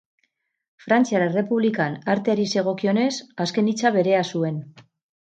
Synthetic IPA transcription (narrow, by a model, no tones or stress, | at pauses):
fɾant͡siaɾere̞puβlikanaɾt̪eaɾise̞ɣ̞o̞kio̞ne̞saske̞nit͡saβ̞e̞ɾe̞asue̞n